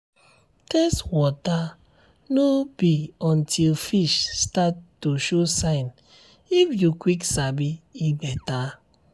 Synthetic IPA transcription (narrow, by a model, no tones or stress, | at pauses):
tɛstwɔta | nobiɔ̃ntʰilfiʃstatː | uʃosãɪ̃n | ifjukwiksabiibɛta